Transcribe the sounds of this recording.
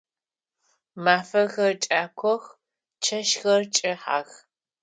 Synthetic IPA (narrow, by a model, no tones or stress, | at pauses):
maːfɐɣɐrt͡ʃʼaːkʷʰɔx | t͡ʃʰɐʃxɐrt͡ʃʼɪħa̰ːɣ